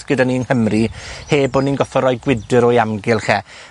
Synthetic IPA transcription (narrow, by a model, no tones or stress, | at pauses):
ɡ̥ədaniːnhəmriheːboːninɡɔfɔɾɔjɡwɪdəɾɔjamɡɪlˠχɛ